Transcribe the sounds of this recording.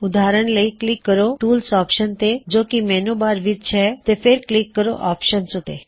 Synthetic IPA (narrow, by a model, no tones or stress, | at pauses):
ʊd̪ʱaɾəɳ̃ləiklikːəɾoʈuːlsɔːpʃənt̪ed͡ʒoːkimɛnobaːɾʋid̪̚t͡ʃʰɛt̪efeɾklikːəɾo̰ʔaːpʃənsut̪ḛ